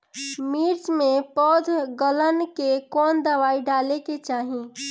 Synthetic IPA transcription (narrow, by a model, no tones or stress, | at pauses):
miːɾt͡ʃmẽpɔːd̪ʱɡələnkekɔːnd̪əʋaːiɖaːleket͡ʃaːɦĩ